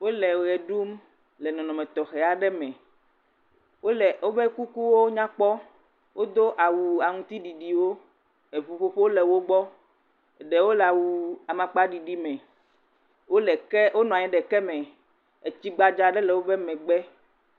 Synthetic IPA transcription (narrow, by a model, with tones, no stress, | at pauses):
wo˦lɛ˨ɣɛ˨ɖu˦m | lɛ˨nɔ̃˨nɔ̃˨mɛ̃˨t̪ɔ˨xɛ˨a˨ɖɛ˦mɛ̃˨ | wo˦lɛ˨wo˦bɛ˦ku˦ku˦wo˦ɲã˦k͡pɔ˦ | wʔo˦d̪o˦ʔa˨wu˨a˨ŋũ˦t̪i˦ɖi˨ɖi˨wo˦ | e˨ɸu˨ɸo˦ɸe˦o˦lɛ˨wo˦ɡ͡bɔ˦˨ | ɖɛ˨wo˦lɛ˨a˨wu˨a˨mã˨k͡pa˦ɖi˨ɖi˦mɛ̃˨ | wo˦lɛ˨kɛ˦wo˦nɔ̃˨a˨ɲɛ̃˨ɖɛ˨kɛ˦mɛ̃˨ | e˨t͡ɕi˦ɡ͡ba˨d͡ʒa˨ɖɛ˦lɛ˨wo˦bɛ˦mɛ̃˨ɡ͡bɛ˦